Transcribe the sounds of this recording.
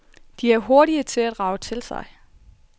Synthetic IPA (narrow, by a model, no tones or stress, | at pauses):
d̥iæɐɦo̝ɐɾiət͡sʰe̝læd̥ʁɑ̈ʊət͡sʰe̝lsɑ̈ɪ